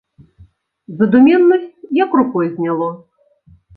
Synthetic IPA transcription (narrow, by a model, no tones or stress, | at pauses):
zɐd̪umʲɛnːɔsʲt͡sʲjakrukɔjzʲnʲalˠɔ